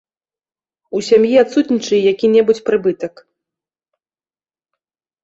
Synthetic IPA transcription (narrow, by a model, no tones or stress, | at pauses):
usʲamjiat̪sut̪ʲnʲit͡ʂɨjɛjakʲinʲɛbut͡sʲpɾɨbɨt̪ɐk